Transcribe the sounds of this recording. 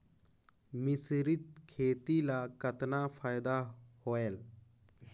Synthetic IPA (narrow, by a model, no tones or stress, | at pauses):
mɪsɾɪt̪̚kʰeːt̪ilakət̪napʰaːjd̪ahoːeːl